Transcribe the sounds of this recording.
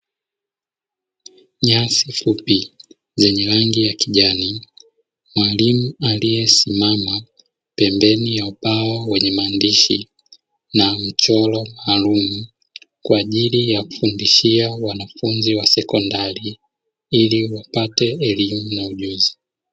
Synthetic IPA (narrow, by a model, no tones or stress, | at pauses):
ɲasifupi | zɛɲɛɾaŋɡijakiʄani | mwalimualijɛsimama | pɛmbɛnijaupawawɛɲɛmaːndiʃi | nam̩t͡ʃɔlɔmaːlumu | kwaːʄilijaku̥fundiʃiawanafunziwasɛkɔndali | iliwapatɛːlimunauʄuzi